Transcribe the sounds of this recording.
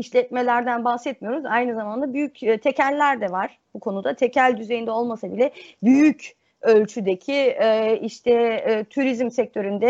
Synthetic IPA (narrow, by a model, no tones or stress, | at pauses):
iʃlʲɛt̪me̞lʲæɾd̪ænbaxsɛt̪mijo̞ɾuzajnɯzamand̪abyjycːt̪ʰecællʲːæɾd̪ɛvaɾ̥bukʰo̞nud̪at̪ʰecʰælʲd̪yze̞jind̪ɛo̞lˠmasabilʲɛbyjyc | ø̞lʲt͡ʃʰyd̪ecʰiɛiʃt̪ʰɛt̪ʰuɾizmsɛc̚t̪ʰø̞ɾynd̪ɛ